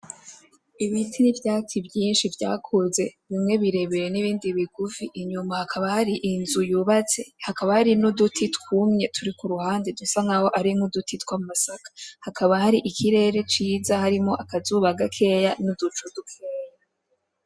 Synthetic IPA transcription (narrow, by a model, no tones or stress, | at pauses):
iβiːtʰinivjaːt͡sibjiːnʃivja̰ːkʰuze̞βimŋe̞βiɾe̞βejeniβiːndiβiɡufiʔːɲumahakʰaβahaɾiʔinzujuβat͡se̞hakaβahaɾinodutʰitkuːmɲe̞tʰuɾikuɾuhaːndedusaŋaho̞ʔaɾimodutitwamasakḁhakʰaβahaɾiʔikʰiɾe̞ːɾe̞t͡ʃiːzahaɾimo̞ʔakazuβaɡakʰe̞janudut͡ʃudukʰeːja